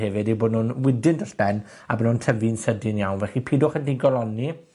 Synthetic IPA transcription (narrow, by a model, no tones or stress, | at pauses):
hɛvɪdiboːdnʊnwɪdɪndəɬb̥ɛn | a̰bənuntʰəvinsədɪnjawnvɛχipʰiːdʊχəndɪɡɔlˠɔni